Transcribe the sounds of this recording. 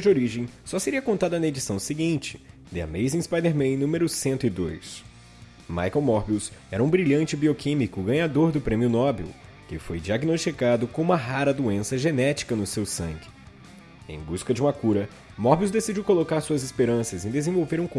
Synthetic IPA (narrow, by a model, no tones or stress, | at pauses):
d͡ʒɪoɾiʒẽj̃sɔseɾiɐkõnt̪ad̪ɐnɐed͡ʒisɐ̃w̃sɪɡĩt͡ʃɪ̥ | d̪ɪa̰mejzĩspajd̪eɾmẽj̃nũmeɾʊsẽnt̪ʊɪd̪ojs | ma̰jkɛwmɔɾbiwsɛɾɐũbɾiʎɐ̃nt͡ʃɪbiokĩmikʊɡɐ̃ɲad̪oɾd̪ʊpɾẽmiʊnɔbḭw | kɪfojd͡ʒiaɡinost͡ʃikad̪ʊkõũmɐɦaɾɐd̪uẽsɐʒenɛt͡ʃi̥kɐnʊsewsɐ̰̃ŋɡɪ | ḛ̃j̃buskɐd͡ʒɪũmɐkuɾɐ | mɔɾbiwzd̪esid͡ʒiwkolokaɾsuɐzespeɾɐ̃sɐzẽd̪ezẽvowveɾũk